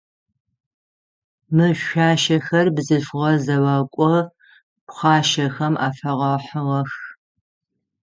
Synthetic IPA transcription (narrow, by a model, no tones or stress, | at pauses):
mɨʃʷaːʃɐxɐrbzɨfʁɐzɐwakʷʼɔ | pχʷɑːʃɐxɐmʔa̰ːfɐʁɐħəʁɐx